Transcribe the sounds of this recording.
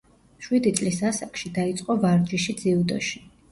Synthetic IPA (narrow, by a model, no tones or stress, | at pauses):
ʃwid̪it̪sʼlisasakʼʃid̪ait̪sʼqʼɔvaɾd͡ʒiʃid̪ziud̪ɔ̰ʃi̥